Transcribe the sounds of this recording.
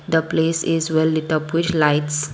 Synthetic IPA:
d̪əpleːsizʋɛlːɪʈəpʋɪt͡ʃlaɪʈs

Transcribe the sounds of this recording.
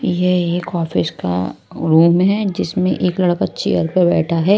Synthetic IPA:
jeeːkɔːfɪska̰ | ɾuːmɦɛd͡ʒɪsmẽʔeːklɐɽəkɐtːt͡ʃʰeːjəɾpɐɾbɛːʈʰaɦɛː

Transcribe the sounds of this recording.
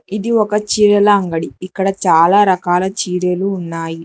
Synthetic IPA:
id̪iɔkɐt͡ʃiːɾɐlɐːŋɡɐɽiikːɐɽɐt͡ʃaːlaːɾɐkaːlɐt͡ʃiːɽeluːnːaːji

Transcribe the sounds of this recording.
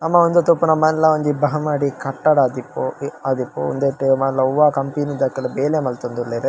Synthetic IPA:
nɐmːɐond̪ut̪opːunɐmɐnlɐʋɐnd͡ʒibɐɦɐmaːɽikɐʈːɐɽaːd̪ipːoɐd̪ipːo̰o̰nd̪eʈːemɐlɐʋaːkɐmpiːnid̪akːɐlɐbeːlemɐlt̪ɐnd̪ulːeɾe

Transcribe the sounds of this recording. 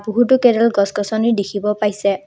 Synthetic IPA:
buɦutʊkɛdɛlɡɔskɔsɔniɹdekʰibɔpajsɛ

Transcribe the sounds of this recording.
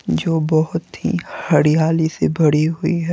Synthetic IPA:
d͡ʒoːbɐɦʊt̪ɦḭhɐɽijaːlisebʱɐɽiɦʊiɦɛː

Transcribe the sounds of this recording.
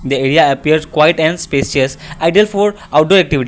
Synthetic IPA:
d̪əeːɾiaɐpiəɾɖkwaɪʈɛ̃nspesəsaɪɖiəlfɔːɾ | aʊʈoɛk̚ʈiʋiʈi

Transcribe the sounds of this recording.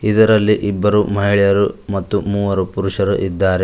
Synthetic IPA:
id̪ɐɾɐlːiʔibːɐɾumɐɦiɭɛjɐɾumɐt̪ːumuːʋɐɾupuɾuʂɐɾuʔid̪ːaːɾe

